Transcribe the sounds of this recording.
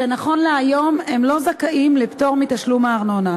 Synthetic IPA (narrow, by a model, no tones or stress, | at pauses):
enaχo̞nleajo̞memlo̞zakaʔimlepto̞ʁmitaʃlumaːʁnona